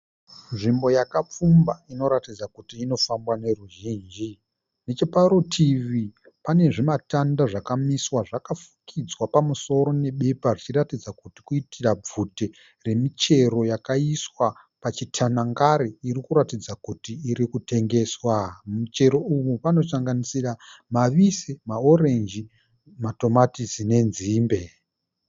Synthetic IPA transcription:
nʐimbo̞jakap͡fumbaino̞ɾatid͡zakutiːno̞fambwane̞ruʒiːnd͡ʒi | net͡ʃepaɾotʰiʋi | pane̞ʐimatandaʐakamiswaʐakafu̥kʰid͡zwapamuso̞ɾo̞ne̞ɓe̞paʐit͡ʃiratid͡zakuti̥kuitirab͡vute | re̞mit͡ʃe̞ɾo̞jakaiswa | pat͡ʃitʰanaŋɡaɾiːrikuɾatid͡zakutiːɾikute̞ŋɡe̞ːswamut͡ʃe̞ɾo̞uʋupano̞t͡ʃaŋɡanisiramaʋisemao̞ɾe̞nd͡ʒi | mato̞matizine̞nziːmbe̞

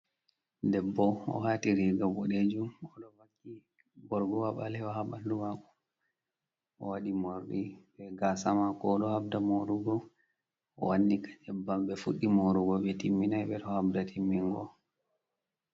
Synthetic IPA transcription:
dɛbːɔɔ̰ɦatiɾiɡabɔɗed͡ʒumɔɗɔwakːi | bɔɾɡɔwaɓalɛɔɦaɓalduwakɔ | ɔwaɗimɔɾɗibɛɡasamakɔɗɔhabdamoɾuɡɔ | ɔ̰wanːikad͡ʒɛbːamɓɛfuɗːimoɾuɡɔɓɛtimːinajɓɛɾɔhabdatʰimːiŋɡɔ̰

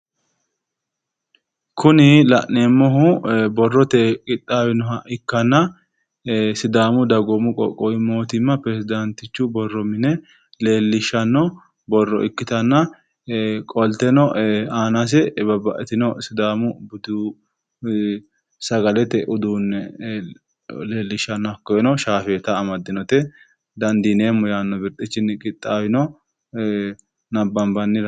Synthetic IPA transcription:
kʰʊnɪlɐʔneːmːɔɦʊbɔrːɔt̪ekʼɪt̪ʼːaːwɪnɔɦɐʔɪkːɐnːɐ | sɪd̪aːmʊd̪ɐɡɔmʊkʼɔ̰kʼːɔjmoːt̪ɪmːɐpɾɛsɪd̪ɐnt̪ɪt͡ʃːʊbɔrːɔmɪnɛ | le̞ːlːɪʃɐnːɔ | bɔrːɔ̰ɪkːɪt̪ɐnːɐ | kʼɔlt̪ɛnɔaːnas̬ɛbɐbɐʔɛt̪ɪnɔsʊd̪aːmʊbʊd̪u | sɐɡɐlɛt̪ːɛʔʊd̪uːnːɛ | le̞ːlːɪʃːɐnːɐkːɔjɛnɔʃaːfeːt̪ɐːmɐd̪ːɪnɔt̪ɛ | d̪ɐnd̪ineːmːɔjaːnːɔbɪɾt̪ʼːɪt͡ʃːɪnːɪkʼɪt̪ʼːaːwɪnɔ | nɐbːɐmbɐnːɪɾɐ

